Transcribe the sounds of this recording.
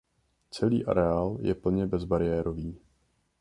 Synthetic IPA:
t͡sɛlḭːʔa̰ɾɛaːljɛ̰pl̩ɲɛbɛzbaɾɪjɛːɾoviː

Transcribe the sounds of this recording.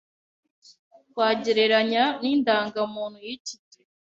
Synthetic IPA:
kwaːɟeɾe̞ɾaɲaniːndaːŋɡamuːn̥hujicite

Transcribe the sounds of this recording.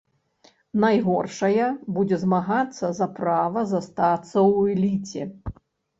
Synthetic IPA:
najɣɔrʂɐjɐbud͡zʲɛzmaɣat̪sːɐzɐpɾavɐzast̪at̪sːɐwɛlʲit͡sʲɛ

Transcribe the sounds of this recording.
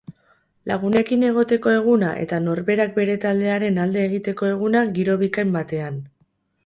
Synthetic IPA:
laɣ̞une̞kine̞ɣ̞o̞t̪e̞ko̞e̞ɣ̞unaʔe̞̰t̪ano̞ɾβe̞ɾak̚be̞ɾe̞t̪ald̪e̞aɾe̞nald̪e̞ːɣit̪e̞ko̞e̞ɣ̞unaɣiɾo̞βikajmbat̪e̞an

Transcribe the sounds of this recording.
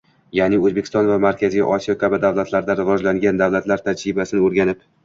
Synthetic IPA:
janɪɵzbekʲʰɪst̪ɒnvamaɾkʲʰazɪjʔɒsijɒkʲʰabɪd̪avlat̪ʰlaɾd̪aɾɪvɒd͡ʒlaŋɡʲand̪avlat̪laɾt̪ʰad͡ʒɾɪbasɪnɪoɾɡʲanɪp

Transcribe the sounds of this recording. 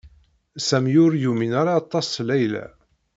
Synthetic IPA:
sæmjʊɾjuminaɾˤɑɑt̪ˤːɑslæjlæ̰

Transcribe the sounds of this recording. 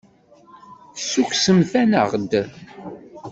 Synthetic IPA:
sukʷsəmθænə̰ʁd̪

